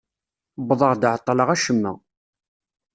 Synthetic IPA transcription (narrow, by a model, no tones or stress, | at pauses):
bðˤəʁd̪ʕət̪ˤːləʁæʃəmːæ̰